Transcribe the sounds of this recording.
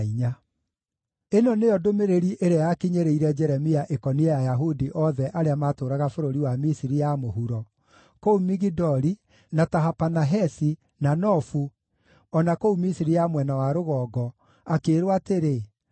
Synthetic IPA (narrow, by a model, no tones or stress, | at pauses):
iɲa | enɔneɔdomeɾeɾiʔeɾeajakiɲeɾeiɾɛd͡ʒɛɾɛmiaʔekɔniɛjajaɦudiʔɔðɛʔaɾeamatoːɾaɣafoɾoɾiwamisiɾijamoɦuɾɔ | koumiɣidɔɾi | nataɦapanaɦɛsi | nanɔfu | ɔnakoumisiɾijamwɛnawaɾoɣɔːɡɔ | akeːɾwateɾe